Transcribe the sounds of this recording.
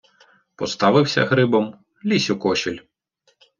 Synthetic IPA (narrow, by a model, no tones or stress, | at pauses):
pɔst̪ɑʋɪwsʲɐ̰ɣɾɪbɔm | lʲisʲʊkɔʃilʲ